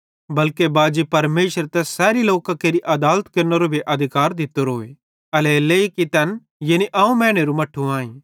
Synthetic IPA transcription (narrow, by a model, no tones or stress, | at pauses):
bɐlkebaːd͡ʒipɐɾmeːʃəɾt̪ɛsɛːɾiloːkãkeːɾiʔɐd̪aːlət̪kɐɾnɐɾobʱiʔɐd̪ʱɪkaːɾd̪ɪt̪oɾoːe | ɐleleikit̪ɛn | jeːniʔaːũmɛ̃ːɽ̃eɾũmɐʈʰuãːĩː